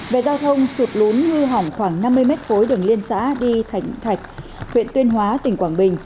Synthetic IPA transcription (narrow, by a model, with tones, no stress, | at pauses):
ve˨˩zaː˧wt̪ʰə˧wŋ͡msu˨˩t̚lu˨˦nhɨ˧ɦa˨˩wŋ͡mxwaː˧˩ŋna˧mːɨ˧əjmɛ˦˥t̚fo˨˦jɗɨ˨˩əŋli˧ənsa̰ː˧˥ɗi˧t̪ʰa˨˩jŋ̟t̪ʰa˨˩jk̟̚hʰwḭ˧˨ənt̪wi˧ənɦwaː˨˦t̪ï˨˩ŋ̟kwaː˧˩ŋɓï˨˩ŋ̟